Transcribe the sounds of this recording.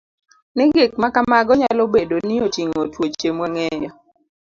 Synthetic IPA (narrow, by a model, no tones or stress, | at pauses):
nɪɡɪk̚makamaɡɔɲalobedoniotiŋotwot͡ʃemwaŋɛjɔ